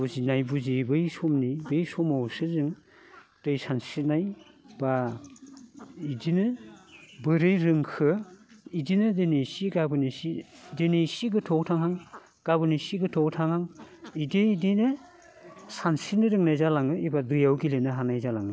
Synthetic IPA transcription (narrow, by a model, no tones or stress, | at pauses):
buzinajbuzibɯjsɔmnibɯjsɔmawsɯzɯŋ | d̥ɯjsansinaj | ba | idinɯ | bɯɾɯjɾɯŋkʰɯidinɯdenesiɡabɯnisidenejsiɡɯtʰɔwtʰaŋhaŋ | ɡ̥abɯnisiɡɯtʰɔwtʰaŋhaŋideidinɯ | sansinɯɾɯŋnajzalaŋɯibadɯjawɡilenɯɦanajzalaŋi